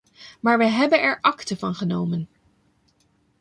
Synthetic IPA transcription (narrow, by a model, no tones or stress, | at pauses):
maːɹʋəɦɛbənɛɹʔɑktəvɑnχənowmən